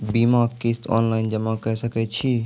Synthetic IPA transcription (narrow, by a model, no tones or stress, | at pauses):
bimaːkkeːst̪ɔ̰ːnlaːɪnd͡ʒɐmakəsəkɛt͡ʃʰi